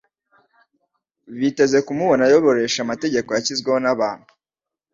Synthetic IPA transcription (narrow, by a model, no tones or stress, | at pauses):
βite̞ze̞kumuβo̞najo̞βo̞ɾe̞ʃamate̞ɟe̞kojaçizɡweho̞naβaːn̥hu̥